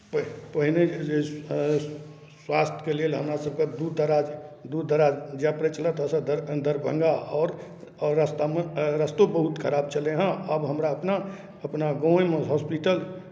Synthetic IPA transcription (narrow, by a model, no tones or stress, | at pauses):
pəpəɦined͡ʒe | swast̪ʰjə̥kelelɦəmɾasəb̚ked̪ud̪d̪əɾad͡ʒd̪ud̪d̪əɾad͡ʒd͡ʒɛpɾet͡ʃələt̪əsəd̪d̪əɾbʱə̰̃ŋɡaɔːɾː | əst̪amẽɾəst̪obəɦut̪kʰəɾaːb̚t͡ʃəleɦə̃əbɦəmɾaəpna | əpnaɡõːjmẽɦɔspiʈəl